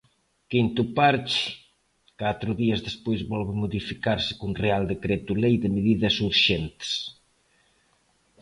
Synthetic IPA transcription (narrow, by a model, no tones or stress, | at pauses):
kint̪upaɾt͡ʃɪ̥ | kat̪ɾʊðiɐzðespojzβɔlβɪmoðifikaɾsɪ̥kunreald̪ekɾet̪ulejðemeðiðɐsuɾʃɛnt̪s